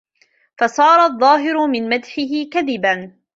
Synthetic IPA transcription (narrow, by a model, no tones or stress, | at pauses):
fɑsˤɑːɾˤɑðˤːɑːɦɪɾʊmɪnmad̪ħɪɦɪkaðɪban